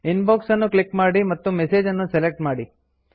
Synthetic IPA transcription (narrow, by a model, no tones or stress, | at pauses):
inboːksɐnːuklikmaːɽimɐt̪ːumeseːd͡ʒɐnːuselek̚ʈmaːɽi